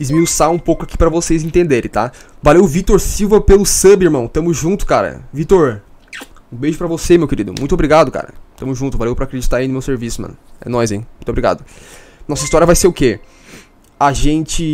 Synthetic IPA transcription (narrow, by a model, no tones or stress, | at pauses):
ɪzmiwsaũpowkʊaki̥pɾɐvosejzẽnt̪ẽnd̪eɾẽt̪avalewvit̪oɾsiwvɐpelʊsɐ̃bɪiɾmɐ̃w̃t̪ɐ̃mʊzʒũnt̪ʊ̥kaɾɐ̰vit̪oɾ | ũbeʒʊpɾɐvosemewkeɾid̪ʊmũj̃t̪ʊobɾiɡad̪ʊka̰ɾɐ̰t̪ɐ̃mʊzʒũt̪ʊzvalewpɾɐakɾed͡ʒit̪aɾej̃nʊmewseɾvisʊmɐ̰̃nʊɛ̰nɔzẽj̃mũt̪obɾiɡa̰d̪ʊ | nɔsɐist̪ɔɾijɐvajseɾʊke | aʒẽnt͡ʃɪ